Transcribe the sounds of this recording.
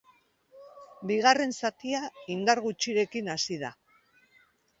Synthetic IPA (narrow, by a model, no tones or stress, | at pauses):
biɣ̞are̞nsat̪iaind̪aɾɣut͡ʃiɾe̞kinasið̞a